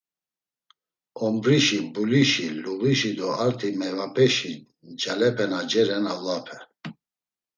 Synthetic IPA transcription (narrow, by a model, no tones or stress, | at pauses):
ɔmbɾiʃibuliʃiluɣiʃid̪ɔaɾt̪ʰimɛvapʰɛʃi | d͡ʒalɛpʰɛnad͡ʒɛɾɛnalapʰɛ